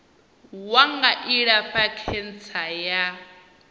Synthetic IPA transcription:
waŋɡaʔiɺapakʰɛnt͡sʰaja

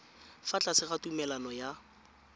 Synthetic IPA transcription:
fat͡ɬʼasɪχatumɛlanɔja

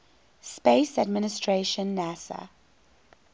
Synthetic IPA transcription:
speɪsadmɪnɪstʰɹeʃə̃nːæsə̰

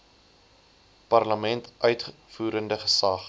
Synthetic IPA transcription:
pɐrləmɛntʔœɥtfuːɾəndəχə̥sɐχ

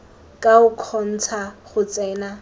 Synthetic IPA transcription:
kʼaʊkʰɔn̩t͡sʰaχʊt͡sʼɛːna

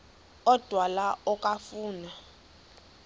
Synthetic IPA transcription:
ɔd̥ʱwalaɔkʼafuːna

